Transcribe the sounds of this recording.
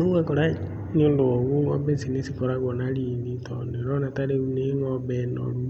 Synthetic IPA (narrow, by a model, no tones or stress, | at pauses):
uɛkɔɾa | ɲindooɣuŋɔ̰bɛsinesikɔɾaɣɔnalilitɔneɾɔnataɾeuneŋɔbɛno̰ɾu